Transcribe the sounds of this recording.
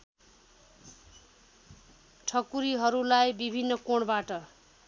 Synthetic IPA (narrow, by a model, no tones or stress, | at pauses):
ʈʰʌkuɾiɦʌɾulajbibʱinːʌkoɳbaʈʌ